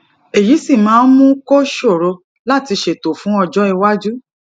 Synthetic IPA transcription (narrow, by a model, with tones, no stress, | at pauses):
e˨ji˨˦si˦˨mãː˨˦mũ˦ko˦ʃo˦˨ɾo˧ | la˦˨ti˧ʃe˨to˨fũ˨˦ɔ˧d͡ʒɔ˦i˧wa˦d͡ʒu˦